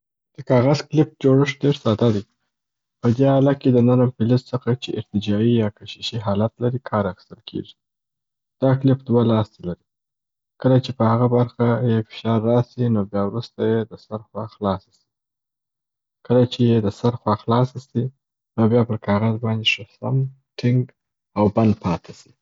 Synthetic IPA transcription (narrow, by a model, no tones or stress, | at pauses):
d̪̥əkɑɣazklɪp̚d͡ʒoɽəʂɖeɾsɑt̪ad̪i | pəd̪ealaked̪ənəɾəmpɪlɪssəxat͡ʃeɪɾt̪ɪd͡ʒɑijɑkaʃiʃiɦɑlat̪laɾikʰɑɾaxi̥st̪əlkʰḛʐi | d̪̥ɑklɪpd̪walɑst̪elaɾi | kəlat͡ʃepəhaɣabaɾxajefɪ̥ʃɑɾːɑsinobjɑwɾust̪ajed̪əsaɾxwɑxlɑsḁsi̥ | kəlat͡ʃejed̪əsaɾxwɑxlɑsasi | nobjɑpəɾkʰɑɣazbɑnd̪eʂasa̰m | ʈʰɪŋɡ | awband̪̚pʰɑt̪ʰasi̥